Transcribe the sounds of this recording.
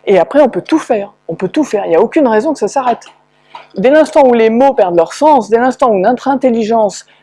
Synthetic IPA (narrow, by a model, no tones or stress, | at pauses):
eapχɛɔ̃pøt̪ufɛːʁɔ̃pøt̪ufɛːʁiljaokʲynʁɛzɔ̃kə̥sasaʁɛt̪ | d̪elɛ̃st̪ɑ̃ulemopɛʁd̪lœʁsɑ̃sd̪elɛ̃st̪ɑ̃uynɛ̃t̪χɛ̃t̪eliʒɑ̃s